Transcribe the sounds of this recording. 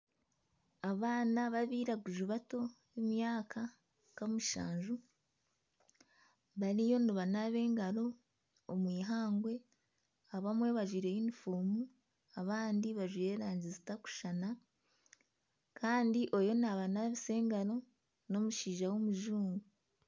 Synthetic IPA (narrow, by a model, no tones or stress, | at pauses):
aβaːnaβaβiːɾaɡuʒuβato̞jimjaːkʰa | kamuʃa̰ːɲʒu | βaɾijo̞nuβanaβe̞ːŋɡaɾo̞ː | mwiːɦaːŋɡwe̞ | aβamwe̞βaʒiɾe̞jinifuːmu | aβaːndiβaʒuje̞ɾaːɲɟizitaku̥ʃana | kʰaːndiʔo̞jo̞naβanaβise̞ːŋɡaɾo̞ | no̞muʃiːʒawomuʒuːŋɡu